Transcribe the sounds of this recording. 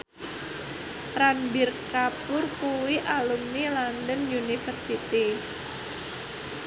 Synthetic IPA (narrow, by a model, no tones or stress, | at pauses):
ranbirkapʊrkuwiʔalumnilandənjunifərsit̪i